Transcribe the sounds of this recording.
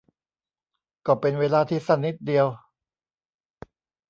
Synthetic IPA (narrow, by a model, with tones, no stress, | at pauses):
kɔː˧˩pe˧nweː˧laː˧t̪ʰiː˥˩sa˧˥˩nːi˦˥t̪̚di˧əw